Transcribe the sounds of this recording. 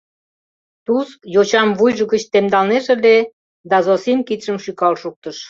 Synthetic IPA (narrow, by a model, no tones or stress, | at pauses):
t̪uskjot͡ɕɑmvujʒəɣət͡ɕt̪emd̪ɑlneʒĕlʲe | d̪ɑzosimkit̪ʃəmʃykɑlʃuk̚t̪əʃ